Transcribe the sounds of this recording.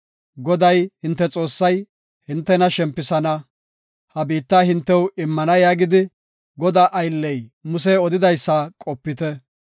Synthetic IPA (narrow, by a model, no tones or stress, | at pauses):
ɡɔd̪ɐjhɪnt̪ːɛt͡sʼo̞ːsːɐj | hɪnt̪ːɛnɐʃɛmpːɪsɐnɐ | hɐbiːt̪ːaɦɪnt̪ːɛwɪmːɐnɐjaːɡɪd̪ɪ | ɡɔd̪aːʔɐjlːɛjmʊs̬ɛɔd̪ɪd̪ɐjsːɐkʼɔpːɪt̪ɛ